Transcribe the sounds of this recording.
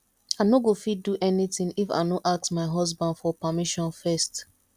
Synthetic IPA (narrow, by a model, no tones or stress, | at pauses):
aɪnoɡofiduʔɛnitĩŋifa̰ɪnoʔak̚smaɪɦɔzbãndfɔpamiʃɔ̃nfɛst